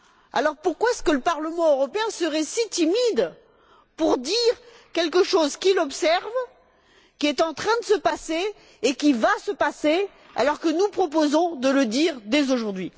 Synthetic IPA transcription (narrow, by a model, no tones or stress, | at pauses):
a̰lɔʁpuʁkwaɛskələpaʁləmɑ̃øʁɔpeɛ̃səʁɛsit̪imid̪ | puʁd̪iʁ | kʲɛlk̬əʃozkʲilɔpsɛʁv | kʲiɛt̪ɑ̃t̪χɛ̃d̪əsəpaseː | kʲivasəpase | a̰lɔʁkənupχɔp̬ozɔ̃d̪ələd̪iʁd̪ɛzoʒuʁd̪ɥi